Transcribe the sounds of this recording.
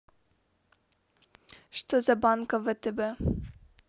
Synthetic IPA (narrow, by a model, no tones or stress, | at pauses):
ʃt̪ɔzabaŋkavət̪ɛbɛ